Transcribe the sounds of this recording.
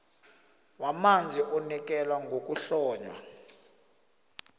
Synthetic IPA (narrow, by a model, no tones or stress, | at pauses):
wamand͡zʱiʔɔnik̬ʼɛlwaŋɡʱok̬ʼuɬɔːɲwa̰